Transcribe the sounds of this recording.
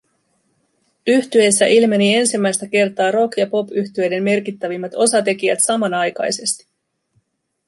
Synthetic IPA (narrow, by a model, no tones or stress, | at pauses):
yht̪ye̞sːæʔilme̞nie̞nsimːæjst̪æke̞rt̪ɑːɾo̞kjɑpo̞pyht̪ye̞jde̞mːe̞rkit̪ːæʋimːæt̪o̞sɑt̪e̞k̟ijæ̰t̪sɑmɑnɑjkɑ̰jse̞st̪i̥